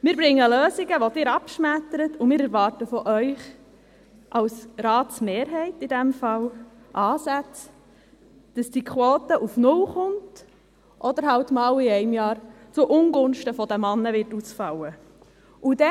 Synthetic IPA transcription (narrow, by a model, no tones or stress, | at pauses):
mɪːɾbɾɪŋːəløːziɡəʋɔd̥ɪɾɑpʃmætːəɾətumɪːɾɛɾʋɑːɾtəfɔʔœʏχ | ʔɑwsɾɑːtsmeːɾɦɛɪtidæmfɑl | ʔɑːsæt͡s | d̥ɑsd̥ikʰχwoːtəʔufnʊlχʊnt | ʔɔd̪əɾɦɑwtmɑːliɛɪmjɑːɾt͡suʔʊnɡʊnʃtəfɔd̪əmɑnːəʋɪrtusfɑwə | ud̥ɛ